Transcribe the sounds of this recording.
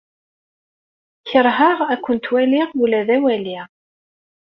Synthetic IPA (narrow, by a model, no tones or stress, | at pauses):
çəɾˤɦaʁækʷːənt̪wæliʁulæðæwæliʁ